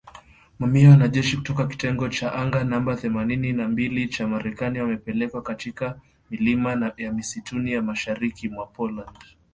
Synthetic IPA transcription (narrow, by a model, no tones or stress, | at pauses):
mamiawanaʄɛʃiku̥tɔkaki̥tɛŋɡɔt͡ʃaʔaŋɡanambaθɛmanininambilit͡ʃamaɾɛkaniwamɛpɛlɛkwakatika | milimanaɓiamisitʰunijamaʃaɾikimwapɔland